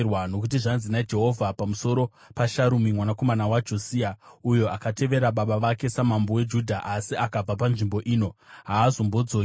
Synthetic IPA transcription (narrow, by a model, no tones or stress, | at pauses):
rwano̞kut̬iʐanzinad͡ʒe̞ɦo̞vʱapamuso̞ɾo̞ | paʃaɾumimwanako̞manawad͡ʒo̞siːaujo̞akate̞ʋe̞ɾaɓaɓaʋake̞samambowe̞d͡ʒudʱaʔasiʔakab͡vapanʐimbo̞ʔiːno̞ɦaːzo̞mbo̞d͡zo